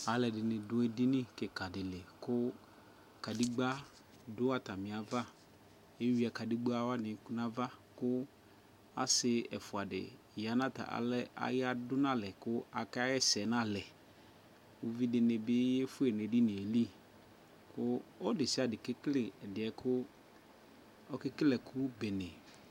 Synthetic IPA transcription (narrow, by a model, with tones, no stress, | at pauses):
a˨lɛ˨dɪ˨nɪ̃˨dʊ˦ɛ˨di˦nɪ̃˦kɛ˨ka˨dɪ˨lɛ˨kʊ˦ | ka˨di˦ɡ͡ba˦ | dʊ˦a˦ta˨mɪ̃˨a˨va˦ | e˦wi˦a˨ka˨di˦ɡ͡ba˦wa˦nɪ̃˨˦ku˦nã˦va˦kʊ˦ | a̰˨sɪ˨ɛ˨fʊ˨a˨dɪ̰˨ | ja˨nã˦ta̰˨ʔa̰˨lɛ˦a̰˨ja˦dʊ˦nã˦lɛ˨kʊ˦a˨ka˦jɛ˦sɛ˨nã˦lɛ˨ | wo˦vi˦dɪ˨ne˨bɪ˦jɛ˦fʊ˦ɛ˨ne˨di˦nɪ̃˨e˨li˦ | kʊ˦ɔ˦dɪ˨sɪ˦a˨dɪ˨kɪ˦klɪ˨ɛ˨dɪ˨ɛ˨kʰʊ˦ | ɔ˦kɪ˦kɪ˦lɛ˨kʰʊ˦bɛ˨nɛ̃˨